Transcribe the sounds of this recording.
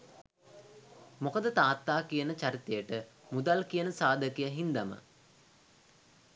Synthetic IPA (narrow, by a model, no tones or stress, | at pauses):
mokəd̪ət̪aːt̪ːaːkijənət͡ɕaɾit̪ejəʈəmud̪alkijənəsaːd̪əkijaɦind̪amə̰